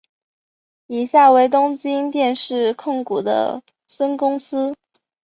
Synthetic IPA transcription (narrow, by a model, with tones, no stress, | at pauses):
i˨˩ɕja˥˩we˧˥˩ɪt̪ʊ˥ŋt͡ɕi˥ŋt̪jɛ˥˧nʂɻ̩˥˩kʰʊ˥˩ŋku˨˩d̪ə̰˦ | swə˥nkʊ˥ŋsɹ̩˥